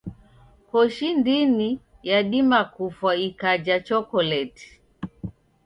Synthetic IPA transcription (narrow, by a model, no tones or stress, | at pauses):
kɔʃindini | jaɗimakufwaikad͡ʒat͡ʃɔkɔlɛti̥